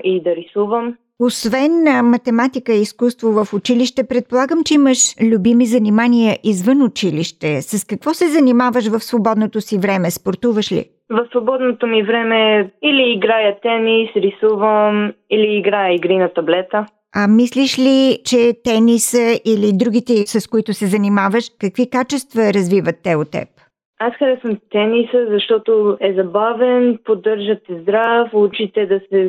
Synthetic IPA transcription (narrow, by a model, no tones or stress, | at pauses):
id̪ɐɾisuvəm | osvɛnmɐt̪ɛmat̪ikəiskust̪vovəfʊt͡ʃiliʃt̪ɛpɾɛt̪̚polˠaɡəmt͡ʃɛiməʃlʲʊbimizɐnimaniəʔizvənʊt͡ʃiliʃt̪ɛsɐskɐkvɔsɛzɐnimavəʃvəfsvobɔd̪not̪osivɾɛmɛspoɾt̪uvəʃlḭ | vəfsvobɔd̪not̪omivɾɛmɛiliːɡɾajət̪ɛnisɾisuvəmiliːɡɾajəiɡɾinɐt̪ɐblɛt̪ə | ɐmisliʃlit͡ʃɛt̪ɛnisəʔilid̪ɾuɡ̟it̪ɛsəskoit̪ʊsɛzɐnimavəʃkəkv̥ikat͡ʃɛst̪vəɾɐzvivət̪ːɛot̪ːɛ̰p | asxəɾɛsvəmt̪ɛnisəzɐʃt̪ɔt̪oɛzɐbavɛnpod̪əɾʒət̪ɛzd̪ɾafˠut͡ʃit̪ɛd̪ɐsɛ